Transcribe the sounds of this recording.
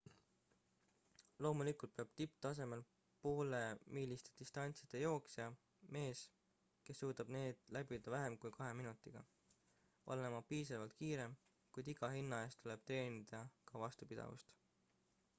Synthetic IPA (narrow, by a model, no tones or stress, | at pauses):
lo̞ːmulikˑult̪̚peɑb̥t̪ipt̪ːˑɑs̬e̞me̞l | po̞ːle̞milːist̪e̞d̪̥ist̪ɑnʲt̪sid̪̥e̞jo̞ːksjɑ | me̞ːs | ke̞sːuːd̪ɑb̥ne̞ːd̪̥læb̥id̪̥ɑvæɦemkujkʰɑɦe̞minut̪ːˑiɡ̥ɑ | ʔo̞̰lemɑpiːsɑvɑlt̪̚kiːɾe̞m | kujd̪̥iɡ̥ɑɦinːɑe̞ːst̪ːule̞b̥̚t̪e̞ːnid̪̥ɑkɑvɑst̪upid̪ɑ̰vṵst̪